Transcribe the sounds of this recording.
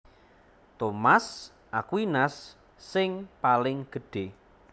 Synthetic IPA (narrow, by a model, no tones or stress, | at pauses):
t̪omas | ʔakwinasː | ɪŋpalɪŋɡ̥ə̤ɖ̥e